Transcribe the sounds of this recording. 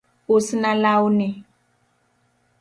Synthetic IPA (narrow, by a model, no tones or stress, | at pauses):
usinãlaune